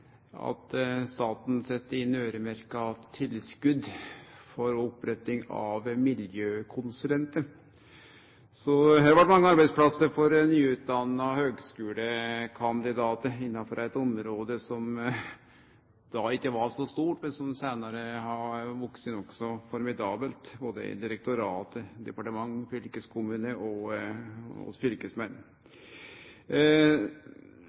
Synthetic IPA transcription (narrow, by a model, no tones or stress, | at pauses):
ɑ̰t̪st̪ɑːt̪n̩sɛt̪ːəɪnøːɾəmæɾkəɑt̪ʰːɪlskʉd̪fɔɾɔpɾɛt̪ɪŋɑ̰ʋmɪljøːkʰʊnsʉlɛnt̪əɾ | sɔhæːɾʋɑʈːmɑŋːəɑɾbæɪt̪spʰlɑsːəɾfɔɾnyːʉːt̪d̪ɑnːɑhøːɡskʉːləkʰɑnd̪ɪd̪ɑːt̪əɾɪnːɑfɔɾæɪt̪ɔmɾoːd̪əsɔm | d̪̥ɑɪkːəʋɑʂɔst̪uːʈmɛnsɔmsæːnɑɾəhɑʋɔksənɔksɔfɔɾmɪd̪ɑːbəlt̪boːd̪ə̰ɪ̰d̪ɪɾɛk̚t̪ʊɾɑːt̪əd̪ɛpɑʈəmɑŋːfʏlkəskʰʊmʉːnəɔ | ɔ̰fʏlkəsmɛnː